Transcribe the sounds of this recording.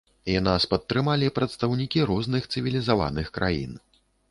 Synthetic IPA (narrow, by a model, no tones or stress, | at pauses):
janaspɐt̪ːɾɨmalʲipɾɐt̪st̪awnʲikʲiɾɔznɨxt̪sɨvʲilʲizava̰nɨxkɾʔa̰jḭn